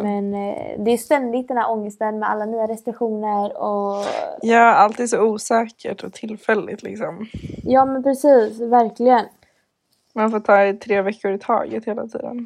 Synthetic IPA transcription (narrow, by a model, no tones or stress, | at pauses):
mɛnd̪ɛjst̪ɛnd̪ɪɡ̚t̪̚ɛnhæːɾʔɔŋːəst̪ənmɛa̰lːanyːaɾɛst̪ɾɪkɧuːnəɾɔjɑːalt̪ʰiːd̪sɔuːsɛːkʰə̰ʈʰɔt̪ʰɪlfɛlːɪ̰t̪ʰlɪ̰ksɔmjɑːmɛnpʰɾɛsiːsvæɾklɪɡən | manfoːʈʰɑːɪt̪ʰɾeːvɛkːʊɾɪt̪ʰɑ̰ːɡə̰t̪heːla̰t̪ʰḭːd̪ə̰n